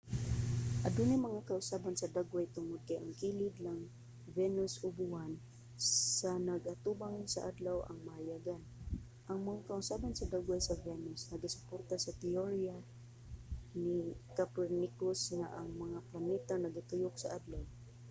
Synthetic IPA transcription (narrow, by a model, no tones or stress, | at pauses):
ʔad̪unɪmɐŋakaʔʊsabansɐd̪aɡwajt̪ʊŋʊd̪̚kajaŋkilɪd̪laŋ | vɛnʊsʊbuhan | sanɐɡʔat̪ubaŋsa̰ʔad̪lawʔa̰ŋmahajaɡan | ʔɐŋmɐŋakaʔʊsabansɐd̪aɡwajsɐvɛnʊsnɐɡasʊ̥port̪asɐt̪ɪoɹia | nɪkapɛɾnikʊsŋaʔaŋmɐŋaplanɛt̪anɐɡat̪ʊjʊk̚sɐʔad̪law